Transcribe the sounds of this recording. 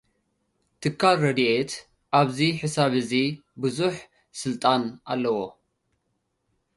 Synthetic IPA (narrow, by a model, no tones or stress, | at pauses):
t̪ʰɨkʰːalːɐd̪iʔet̪ | ʔaβziħɨsaβɨzibɨzuħ | sɨlt̪ʼanʔa̰lːɐwo